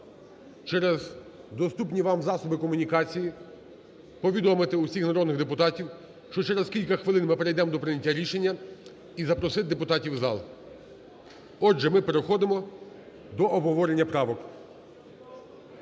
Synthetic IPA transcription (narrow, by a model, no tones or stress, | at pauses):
t͡ʃɛɾez | d̪ɔst̪upnʲiʋɑmzɑsɔbɪkɔmʊnʲikɑt͡sʲiji | pɔʋʲid̪ɔmɪt̪ɪusʲixnɐɾɔd̪nɪɣd̪epʊt̪ɑtʲiw | ʃt͡ʃɔt͡ʃɛɾɛzkʲilʲkɐxʋɪlˠɪnmɪpeɾejd̪ɛmɔd̪ɔpɾɪnʲɐtʲːaɾʲiʃenʲːɐ | izɐpɾɔsɪt̪̚d̪epʊt̪ɑtʲiwzɑ̰lˠ | ɔd͡ʒɛmɪpeɾexɔd̪emɔ | d̪ɔʔɔbɦɔʋɔɾenʲːɐpɾɑʋɔk